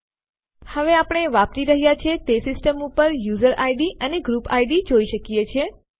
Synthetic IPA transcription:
həʋeapəɽɳ̃eʋap̚t͡ʃiɾəɦijat͡ʃʰet̪esɪsʈəmupəɾjuzəɾʔaiɖiʔəneɡɾupa̰iɖid͡ʒoiʃəkijet͡ʃʰe

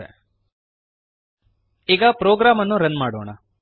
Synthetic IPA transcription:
ḛ | iːɡɐpɾoːɡɾaːmɐnːuɾɐnmaːɽoːɳɐ

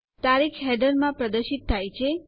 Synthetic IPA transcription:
t̪aɾikʰɦɛɖəɾmãpɾəd̪əɾʃit̪ʰːajt͡ʃʰe

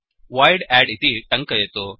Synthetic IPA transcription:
ʋajɽɛɽit̪iʈɐŋkɐjet̪u

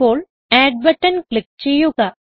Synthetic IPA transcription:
oːl | ɛːɖ̚bəʈənklɪk̚t͡ʃejoːka

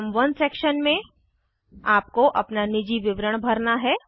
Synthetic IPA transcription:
mʋɐnseːkʃənmẽ | aːp̚koʔɐ̰pnanɪd͡ʒiʋɪʋɾəɽ̃bʱɐɾnaɦɛː

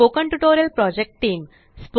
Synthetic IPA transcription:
oːkə̃ɳʈuʈoːɾijəlpɾɔːd͡ʑek̚ʈʈiːm | spo

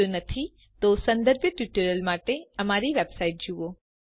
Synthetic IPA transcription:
onɐt̪ʰi | t̪osɐ̃nd̪əɾbʱjəʈjuːʈəɾjəlmaːʈeɐmaːɾiʋeːbsaːɪʈ̚d͡ʒuʋo

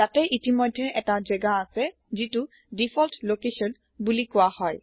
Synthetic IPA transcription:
tatɛʔitimɔjdʱːɛʔɛtazɛɡaːsɛ | zitu | dipʰɔltlokesɔn | bulikʊwahɔj

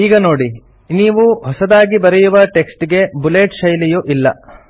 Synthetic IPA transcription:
iːɡɐno̞ːɽi | niːʋuɦɔsɐd̪aːɡibɐɾɛjuʋɐʈe̞ksʈɡe̞bule̞ːʈʃɐjlijuʔilːɐ̰

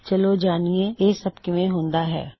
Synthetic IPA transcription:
t͡ʃɐlod͡ʒaːniejeːsɐbkɪmẽɦõːnd̪aɦɛ̰ː

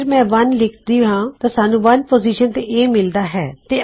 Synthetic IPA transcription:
ɾmɛ̃ːʋənlɪkʰd̪iːɦãːt̪aːsaːnũːʋənpoːziːʃənt̪eʔeːmɪld̪aːɦɛːt̪eː

